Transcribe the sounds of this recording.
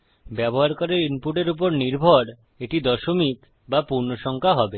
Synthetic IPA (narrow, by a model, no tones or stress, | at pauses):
bɛbɔɦaɾkɔɾeɾinpuʈeɾup̬ɔɾniɾbʱɔɽ | eʈid̪ɔʃomik | bapuɾnoʃɔŋkʰaɦɔbe